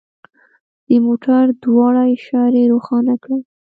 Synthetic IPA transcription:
d̪̥əmoʈaɾd̪wɑɽajʃɑɾeɾoxɑnakɽa

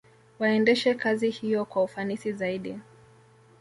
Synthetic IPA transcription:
waɛndɛʃɛkazihijɔkwaufanisizaiɗi

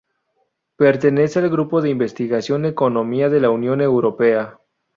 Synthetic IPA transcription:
pe̞ɾt̪e̞ne̞sealɣɾupo̞ðeimbe̞st̪iɣasjo̞neko̞no̞miaðe̞launjo̞ne̞wɾo̞pe̞a

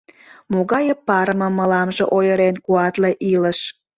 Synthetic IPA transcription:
moɣɑjəpːɑɾmə̆məlɑmʒeʔojəɾenkuɑt̪leʔiləʃ

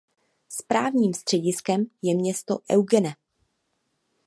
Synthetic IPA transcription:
spɾaːvɲiːmst̪r̥ɛɟɪskɛmjɛmɲɛst̪o̞ʔɛwɡɛnɛ

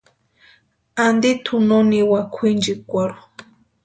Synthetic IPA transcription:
and̪it̪ʰunoniwakʷʰind͡ʒikʷaɾu

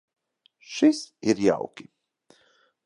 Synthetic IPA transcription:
ʃisiɾja̰wkʲi

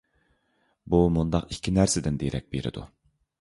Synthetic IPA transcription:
bumund̪ɑqikʲʰːinæɾsɪd̪ɪnd̪eɾɛk̚ʲbeɾɪ̰d̪ṵ

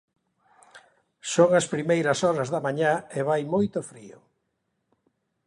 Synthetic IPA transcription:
soŋɐspɾimejɾɐsɔɾɐzðɐmaɲaeβajmojt̪ʊfɾiʊ

